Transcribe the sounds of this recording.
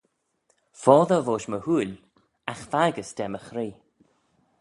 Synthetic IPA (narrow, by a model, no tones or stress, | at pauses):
fɔːðəvoːʃməhuːl | axfaɡəsd̥ɛməxɾiː